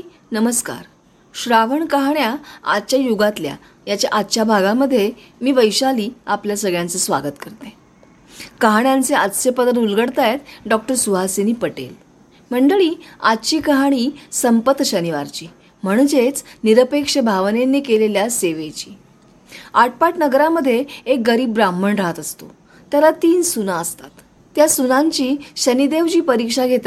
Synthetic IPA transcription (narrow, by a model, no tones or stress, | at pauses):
nəməska̰ɾ | ɕɾaʋəɳkəɦaɳjaa̰d̪t͡ɕjajuɡat̪lja̰ | jat͡ɕja̰ʔat̪t͡ɕabʱaɡaməd̪ʱːjemiːʋəjɕaliːapljasəɡɭjãnt͡sesʋa̰ɡət̪kəɾt̪ẽ | kəɦaɳjant͡seat̪sepəd̪əɾulɡəɽt̪ajet̪ɖɔk̚ʈəɾsuɦaseniːpəʈḛl | m̤əɳɖəɭiːadt͡ɕiːkəɦaɽ̃iːsəmpət̪ːɕəniʋaɾt͡ɕiː | m̤əɽ̃d͡zet͡sniɾəpekʂəbʱaʋnenːiːkeleljaseʋet͡ɕiː | aʈ̚paʈnəɡɾaməd̪ʱːjeek̚ɡəɾiːbɾamːəɳɾaɦt̪əst̪o̰ | t̪jaɾat̪iːnsunaəst̪at̪ː | jasunaɲt͡ɕiːɕənid̪eʋd͡ʑiːpəɾikʂaɡʱet̪